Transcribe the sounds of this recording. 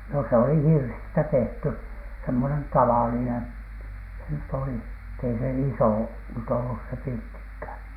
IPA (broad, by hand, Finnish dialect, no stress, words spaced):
no s oli hirsistæ tehty semːonen tɑʋɑlinen se nyt oli etː ei se isoˑ nyt olːus se pirtːikhæˑn